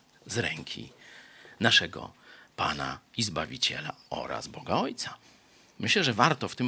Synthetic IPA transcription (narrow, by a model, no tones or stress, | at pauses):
zɾɛŋkʲʰḭ | naʂɛɡɔ̰panaizbavʲit͡ɕɛlaɔ̰ɾa̰zbɔɡaɔjt̪sa | mɘɕlɛʐɛvaɾt̪ɔft̪ɘm